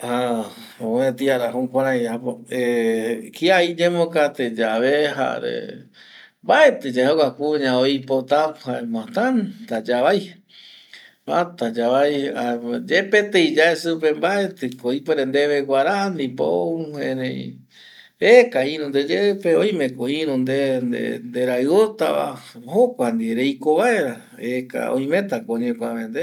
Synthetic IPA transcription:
ha | oẽt̪iaɾaɦũkʷãɾãjapoekiaid͡ʒẽmõkat̪ed͡ʒaβeɦa̰ɾḛ | mbaet̪ɨd͡ʒaeokakuɲãoipot̪ahaemãt̪ant̪ad͡ʒaβaj | at̪ad͡ʒaβajad͡ʒepet̪eid͡ʒaesɨpembaet̪ɨkoipoɾend̪eβeɡʷaɾaʔand̪ipo̰hḛ̃ɾẽḭ̃ | ekaĩɾũnd̪ed͡ʒepeoj̃mẽkoĩɾũnd̪end̪ḛnd̪eɾaɨot̪a̰a̰hokʷand̪iɾejkoβaeɾa | eka̰o̰jmẽt̪akoɲẽkʷaβend̪e

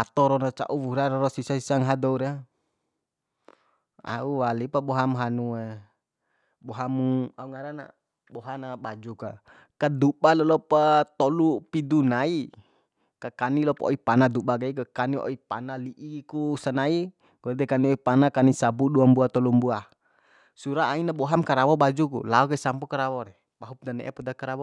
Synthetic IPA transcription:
at̪ɔɾɔnat͡ʃa̰ʔuwuɾaɾɔɾɔsisasisaŋɦadɔuɾa | a̰uwalipabɔɦamɦanue | bɔɦamuauŋaɾana̰ | bɔɦanaɓad͡ʒuka | kad̪uɓalɔlɔpat̪ɔlupidunai | kakanilɔpɔ̰ipanad̪uɓaɡaikakaniɔ̰ipanaliʔikusanai | ɡ̥ɔd̪ɛkaniɔipanakanisabuɗuambuat̪ɔlumbua | suɾaainabɔɦamkaɾawɔbad͡ʒukṵlaɔkaisampɔkaɾawɔɾɛ | baɦup̚danɛʔɛpudakaɾawɔ

